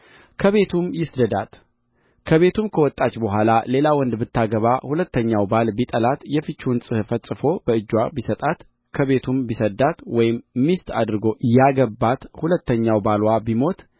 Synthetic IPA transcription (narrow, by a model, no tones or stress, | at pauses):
kʰəβe̞t̪ʰumjɪsd̪əd̪at̪ | kʰəβe̞t̪ʰumkʰəwɔt̪ʼːat͡ʃːbəɦʷalale̞lawɔnd̪bɨt̪ʰːaɡəβahulət̪ːəɲːawbalbit̪ʼəlat̪jɛfɨt͡ʃːunsʼɨhfəsʼɨfo̞bəɨd͡ʒːwabisət̪ʼat̪ | kʰəβe̞t̪ʰumbisəd̪at̪wɔjɪmːist̪ad̪ɾɨɡo̞jaɡəbːat̪hulət̪ːəɲːawbalwabimo̞t̪